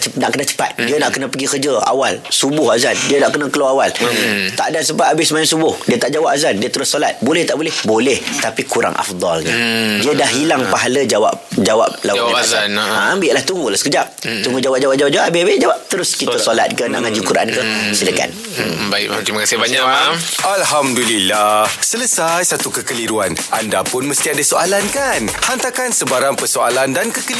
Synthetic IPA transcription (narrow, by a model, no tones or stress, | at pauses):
t͡ʃənaʔkənat͡ʃə̥pa̰t̪̚diənaʔkənə̃pəɡikərd͡ʒəa̰walsubʊhazandiənaʔkənə̃kəlaawalt̪a̰ʔdansəpat̪abɪsəmajaŋsubʊhdiət̪aʔd͡ʒawap̚azandiət̪əɾʊsːolat̪̚bolɛht̪aʔbolɛhbolɛht̪apikuɾa̰ŋʔa̰fd̪ˤɔlɲãdiədahɦilaŋpaɦaləd͡ʒawa̰p̚d͡ʒawa̰p̚laɡaaãambɪʔlaht̪uŋɡulahsə̥kəd͡ʒap̚t̪uŋɡud͡ʒawap̚d͡ʒawap̚d͡ʒawap̚d͡ʒawaʔabeabɪʔd͡ʒawap̚t̪əɾʊskiəsɔla̰t̪̚kəna̰ʔŋãd͡ʒukuɾaʔa̰nkəsiləka̰n | baɪ̰k̚at̪imakasəbaɲakamʔalɦamdulilahsələsajsat̪ukəkəliɾuanʔandapʊnmə̃st̪iadəsoalankanhant̪akansəbaɾaŋpərsoalandankəkə